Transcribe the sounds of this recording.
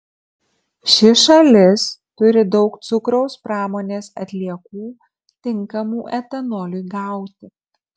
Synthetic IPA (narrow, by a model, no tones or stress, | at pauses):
ʃʲɪʃɐlʲɪst̪ʊɾʲɪd̪ɒʊkt̪sʊkɾɔʊspɾɑːmoːnʲeːsɐt̪ʲlʲiɛkuː | t̪ʲɪŋˑkɐmuːʔɛt̪ʲɛnɔːlʲuɪɡɑˑʊt̪ʲɪ